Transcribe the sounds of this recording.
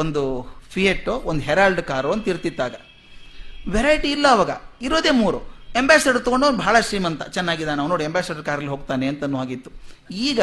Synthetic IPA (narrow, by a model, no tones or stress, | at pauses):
ond̪upʰijeʈːoond̪uɦɛɾaːlɖkaːɾoɐnt̪ɐiɾt̪id̪ːaːɡɐ | ʋɛɾɐjiʈiːlːɐːʋaːɡɐ̰iɾo̞ːd̪e̞ːmuːɾuembaːsɐɖɐɾt̪ɐkoɳɖonbʱaːɭɐʃɾiːmɐnt̪ɐ̰t͡ʃɛnːaːɡid̪anenaːʋnoːɽiembaːsɐɖɐɾkaːɾɐliɦoːɡt̪aːneɐnt̪ɐnːuːaːɡit̪ːuiːɡɐ